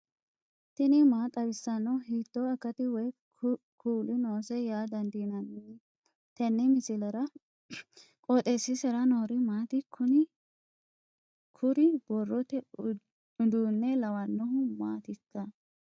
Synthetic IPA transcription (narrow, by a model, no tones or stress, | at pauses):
t̪ɪnɪmaːt̪ʼɐbɪsːɐnːɔwɦiːt̪ːɔɐkːɐt̪ɪwɔj | kʰuːlɪnoːsɛjaːd̪ɐnd̪inɐn | t̪ɛnːɪmɪsɪlɐɾɐ | kʼɔt̪ʼesːɪsɛɾɐnoːɾɪmaːt̪ɪkʰʊnɪ | kʰʊɾɪbɔrːɔt̪ɛ | ʊd̪uːnːɛlɐwɐnːɔɦʊmaːt̪ɪkːɐ